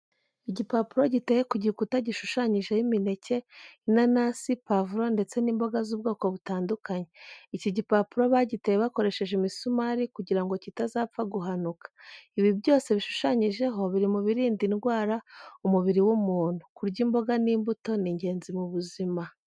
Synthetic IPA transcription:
iɟipapuɾo̞ɟiteje̞kuɟikutaɟiʃuʃaɲiʒe̞jimine̞ce̞nanasipavuɾo̞nde̞t͡se̞niːmbo̞ɡazuːbɡo̞ːko̞βutaːndukaɲeiciɟipapuɾo̞βaɟitejeβako̞ɾe̞ʃe̞ʒimisumaɾikuɟiɾaŋɡo̞citazaːpfaɡuɦanukḁiβiβjo̞ːse̞βiʃu̥ʃaɲiʒe̞ɦo̞βiɾimuβiɾiːndinɡwaːɾaumuβiɾiwumuːnhukuɾɟimbo̞ɡaniːmbuto̞niɲɟe̞ːnzimuβuzima

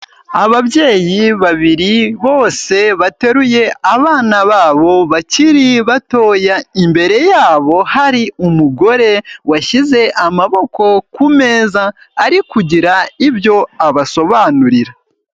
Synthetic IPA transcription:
aβabje̞ːjiβaβiɾiβo̞ːse̞βate̞ɾuje̞aβaːnaβaːβo̞βaciɾiβato̞ːjaimbe̞ɾe̞jaːβo̞haɾiumuɡo̞ɾe̞waʃize̞ʔamaβo̞ko̞kume̞ːzaː | ɾikuɟiɾaibjo̞aβaso̞βaːnuɾiɾa

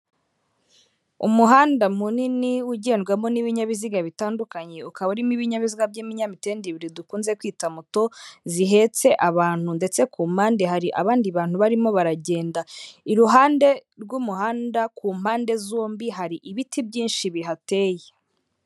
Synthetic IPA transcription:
ṵmuɦaːndamuniniuɟe̞ːnɡwamo̞niβiɲaβiziɡaβitaːndukaɲe̞ukaβauɾimiβiɲaβiziɡabjiːmiɲamitendiβiɾidukuːnze̞kwiːtamuto̞ziɦe̞ːt͡se̞ʔaβaːn̥hunde̞t͡se̞kuːm̥haːnde̞ɦaɾiʔa̰βaːndiβaːnhuβaɾimo̞βaɾaɟe̞ːndaiɾuɦaːnde̞ɾɡumuɦaːndakuːm̥haːnde̞zoːmbiɦaɾiʔiβitibɟiːnʃiβiɦate̞ːje

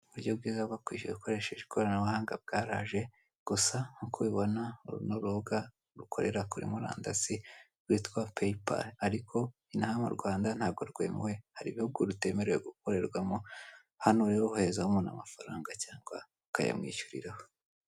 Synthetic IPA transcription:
uβuɾɟo̞bɡiːzaɡakwḭːʃueukoɾe̞ʃeʒikoɾanaβuhaːŋɡa̰b̚ɡaːɾa̰ʒe̞ | ɡ̥usahukʰoβiβo̞nauɾunoɾoɡa | ɾukʰo̞̰ɾe̞̰ɾakuɾḭmuɾa̰ːndasi | ɡwiːtkwapejpa̰laɾikʰo̞ | inahamṵɾɡwaːndan̥haːɡo̞ɾɡwe̞̰muwe̞haɾiβihuɡuɾute̞ːme̞ɾejeɡuk̚o̞ɾe̞ɾɡwamo | hanoɾeɾohuhe̞zahumuna̰mafaɾaːŋɡacaːŋɡa | ukaja̰mŋḭːʃuɾḭɾaho

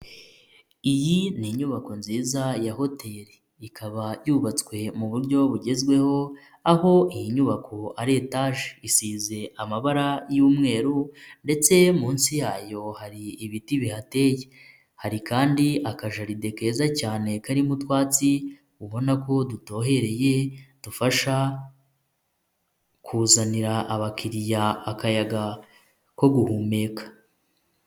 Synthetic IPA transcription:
ijiniɲuβako̞nziːzajaho̞te̞ɾe | ikaβajuβat͡skwe̞muβuɾɟo̞βuɟe̞zɡwe̞ho̞ | aho̞ijiɲuβakʰo̞aɾetaʒeisiːze̞ʔamaβaɾajuːmŋe̞ːɾunde̞t͡se̞muːnsijaːjo̞haɾiːβitiβihate̞ːje̞ | haɾikaːndiakaʒaɾide̞ke̞ːzacaːne̞kaɾimutwaːt͡si | uβo̞nako̞duto̞ːɦe̞ɾe̞je̞d̥ufaʃa | kʰuːzaniɾaʔːβakiɾijaːkajaɡa | ko̞ɡuhuːme̞ːkḁ

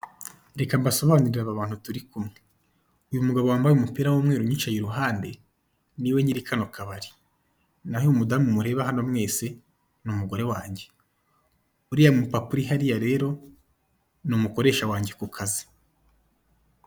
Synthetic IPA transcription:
ɾe̞kambaso̞βaːniɾiɾaβaβaːn̥hutuɾikumŋe | ujumuɡaβowaːmbajumupiɾawoːmŋeːɾuɲit͡ʃajeɾuɦaːnde̞ | niwe̞ɲiɾikʰanokaβaɾi̥ | naheumudamumuɾe̞ːβaɦanomŋe̞ːse̞ | numuɡo̞ɾe̞waːɲɟe̞ | uɾijamupapuɾiɦaɾijaɾe̞ːɾo̞ | numuko̞ɾe̞ːʃawaːɲɟe̞kukʰazi̥

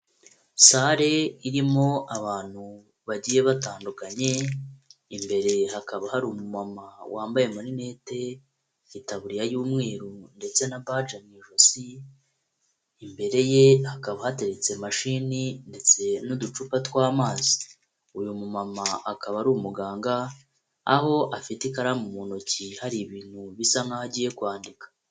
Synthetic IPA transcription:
saɾe̞iɾimo̞aβaːn̥hu | βaɟije̞βataːndukaɲe̞ | imbe̞ɾe̞hakaβahaɾumumamawʔaːmbaje̞muɾine̞te̞ | itaβuɾijajuːmŋe̞ːɾunde̞t͡se̞naβad͡ʒamŋiːʒosi | mbe̞ɾe̞je̞hakaβahate̞ɾet͡se̞maʃiːninde̞t͡se̞nudut͡ʃupatwaːmaːzi̥ | ujumumamaʔakaβaɾuumuɡaːŋɡaː | ho̞ʔafitikaɾamumunocihaɾiβiːn̥huβisaŋŋahaɟiːje̞kwaːndikḁ

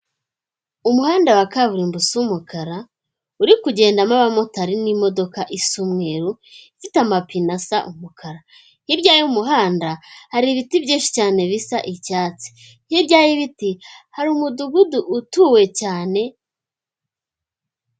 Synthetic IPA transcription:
umuhaːndawakaβuɾimbusuumukʰaɾa | uɾikuɟe̞ːndamaβamo̞taɾinimo̞do̞kaʔisumŋe̞ːɾu | ifitamapinasaʔumukʰaɾa | hibɟaːjiumuɦaːndahaɾiβitibjiːnʃi̥caːne̞βisaʔicaːt͡si̥ | hibɟaːjiβitihaɾimuduɡuduʔːtuːwe̞caːne̞

